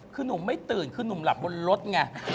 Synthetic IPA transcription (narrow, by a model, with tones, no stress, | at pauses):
kʰːnu˨˩˦mːa˧˩jt̪ɨː˨˩nkʰɨː˧nu˨˩˦ŋ͡mla˨˩p̚ɓo˧nlo˦˥t̪̚ŋaː˧˩